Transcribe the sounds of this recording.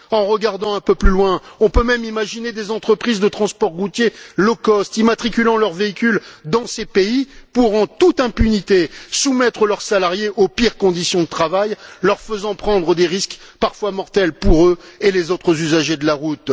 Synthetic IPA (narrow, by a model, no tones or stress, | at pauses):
ɑ̃ʁəɡaʁd̪ɑ̃ɛ̃pøplylwɛ̃ɔ̃pømɛmimaʒined̪ezɑ̃t̪χəpχizd̪ət̪χɑ̃spɔʁʁut̪jelɔkɔst̪imat̪χikʲylɑ̃lœʁveikʲyld̪ɑ̃sepeipuʁɑ̃t̪ut̪ɛ̃pynit̪esumɛt̪χəlœʁsalaʁjeʔopiʁkɔ̃d̪isjɔ̃d̪ət̪χavajlœʁfəzɑ̃pχɑ̃d̪ʁəd̪eʁiskpaʁfwamɔʁt̪ɛlpuʁøelezot̪χəzyzaʒed̪əlaʁut̪